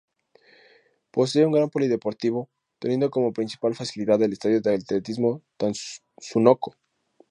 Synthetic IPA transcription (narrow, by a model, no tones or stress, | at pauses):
po̞s̬eeuŋɡɾampo̞liðe̞po̞ɾt̪iβo̞ | t̪enje̞nd̪oko̞mo̞pɾinsi̥palfasiliðaðe̞lest̪aðjo̞ðealt̪let̪izmo̞t̪an | sunoko̥